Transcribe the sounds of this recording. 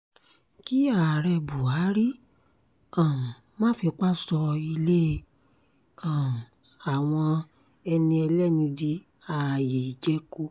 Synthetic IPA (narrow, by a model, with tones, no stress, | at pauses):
ki˦a˦˨ɾɛ˧bu˨a˨˦ɾi˦ | ã˨ | mã˦˨˦fi˧k͡pa˦sɔ˧i˧le˦˧ | ã˨ | a˨w̃ɔ̃˧ | ɛ˧nĩ˧ɛ˧lɛ˦˨nĩ˧di˧˦ | a˨je˨i˨d͡ʒɛ˧˦ko˧˦